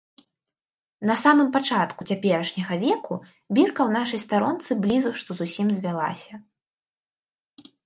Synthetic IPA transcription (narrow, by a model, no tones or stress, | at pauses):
nɐsamɨmpat͡ʂat̪kut͡sʲapʲɛɾɐʂnʲɐɣɐvʲɛku | bʲirkɐwnaʂɐjst̪aɾɔnt̪sɨblʲizuʂt̪ɔzusʲimzʲvʲalˠa̰sʲɐ